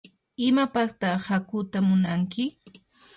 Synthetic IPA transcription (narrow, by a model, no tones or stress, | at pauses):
ɪmapakt̪ɑhakʊt̪amʊnaŋkɪ